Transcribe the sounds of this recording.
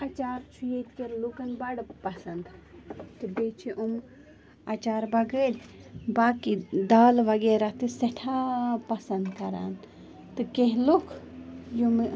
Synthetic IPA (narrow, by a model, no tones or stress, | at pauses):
ɐt͡ʃaːɾt͡ʃʰujet̪keɾlukɐnbɐɽpɐsɐnd̪t̪ɨbet͡ʃʰiʔum | ɐt͡ʃaːɾbɐɡəlʲbaːkid̪aːlʋɐɡeːɾat̪ɨsɐʈʰapɐsɐnd̪kɐɾa̰ːn | t̪ɨkeɦlukʰ | jum